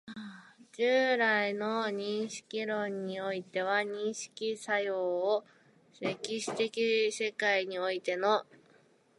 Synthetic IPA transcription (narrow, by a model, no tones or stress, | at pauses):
ad͡ʑɨːɾaino̞ɲ̟ĩɰ̃ɕi̥kʲiɾõ̞ɲ̟ːio̞it̪e̞βaɲ̟ĩɰ̃ɕi̥kʲisajo̞ːo | sekʲːiɕi̥t̪e̞kʲise̞kaiɲ̟io̞it̪e̞no̞